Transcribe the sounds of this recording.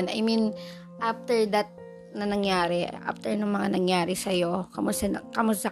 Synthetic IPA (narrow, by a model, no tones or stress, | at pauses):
nɐ̰jmĩn | ʔaft̪ɛɹd̪ɐt̪̚ | nɐnɐŋjaːɾɛʔa̰ft̪ɛɹnʊŋmɐŋanɐŋjaːɾɪsɐjo̞kɐmʊsɐkɐmʊst̪ɐ